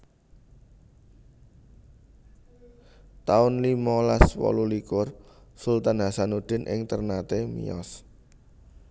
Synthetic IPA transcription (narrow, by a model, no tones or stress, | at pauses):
t̪aʊnlimɔlaswɔ̰lulikʊrsult̪anɦasanud̪̥ɪ̤nʔɪ̰ŋt̪ərnat̪emḭɔ̰s